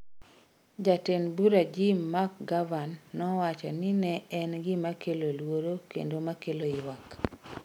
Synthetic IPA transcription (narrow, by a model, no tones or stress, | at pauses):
d͡ʒatenbuɾad͡ʒimːak̚ɡavanːɔwat͡ʃɔ̰nɪnɛɛnɡɪmakelolwoɾokḛndomakeloɪwak